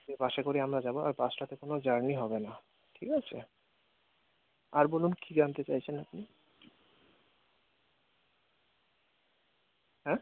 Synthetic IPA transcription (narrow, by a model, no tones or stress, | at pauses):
ebaʃekoɾiamɾad͡ʑaboa̰bbasʈat̪ekonod͡ʑaɾniɦɔbena | ʈʰikat͡ɕʰḛ | aɾbolunkʰiɡant̪et͡ɕajt͡ɕʰenapni | ɦɛ̃